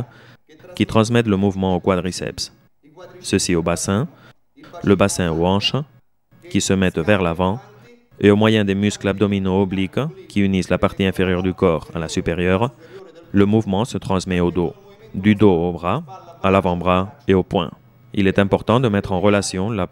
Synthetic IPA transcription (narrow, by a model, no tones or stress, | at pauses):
kʲit̪χɑ̃s̬mɛt̪ləmuvmɑ̃okwad̪ʁisɛ̰ps | səsiobasɛ̃ | ləbasɛ̃oɑ̃ʃ | kʲisəmɛt̪vɛʁlavɑ̃ | eomwajɛ̃d̪emysklab̚d̪ɔminoːblikkʲʰiynislapaʁt̪iɛ̃feʁjœʁd̪ykɔːʁa̰lasypeʁjœʁləmuvmɑ̃sət̪χɑ̃smɛod̪o | d̪yd̪oobʁaalavɑ̃bʁaeopwɛ̰̃ | ḭlɛt̪ɛ̃pɔʁt̪ɑ̃d̪əmɛt̪χɑ̃ʁəlasjɔ̃la